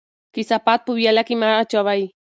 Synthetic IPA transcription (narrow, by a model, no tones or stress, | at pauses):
kisapat̪̚pubjalakimat͡ʃaβaj